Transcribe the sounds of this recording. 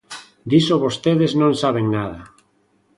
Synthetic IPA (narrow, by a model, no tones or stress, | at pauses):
d̪isoβost̪eðeznõŋsaβ̞eŋnaðɐ